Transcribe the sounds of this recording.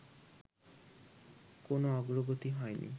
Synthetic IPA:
konoɔɡɾoɡot̪iɦɔenʔḭ

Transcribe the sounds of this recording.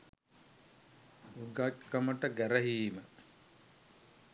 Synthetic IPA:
uɡatkəməʈəɡæɾəɦiːmə

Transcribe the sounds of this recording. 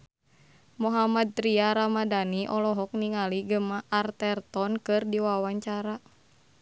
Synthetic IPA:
mɔɦamad̪̚t̪ɾiaɾamadaniʔɔlɔɦɔk̚niŋaliɡəmaʔart̪ɛrt̪ɔnkɨrdiwawaɲt͡ʃaɾa

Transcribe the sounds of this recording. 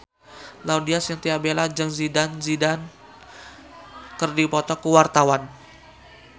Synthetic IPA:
laudiasjaŋt̪iabelad͡ʒəŋzidanzidan | kərdipɔt̪ɔkuwart̪awan

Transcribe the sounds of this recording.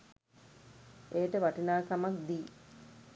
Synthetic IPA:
eːʈəʋaʈinaːkamakd̪iː

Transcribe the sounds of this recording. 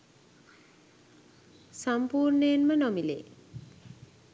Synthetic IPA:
sampuːɾnejenmənɔmilḛ

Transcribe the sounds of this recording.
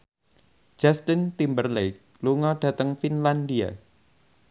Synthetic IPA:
d͡ʒ̥ast̪int̪imbərlejk̚ | luŋɔɖ̥ä̤t̪əŋfinlandia̰

